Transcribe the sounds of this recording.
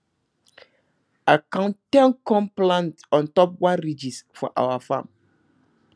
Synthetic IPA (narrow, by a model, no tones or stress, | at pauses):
akãntɛ̃nkɔ̃mplãntɔ̃ntɔp̚wãɾid͡ʒisfɔ̰ʔa̰wafã̰m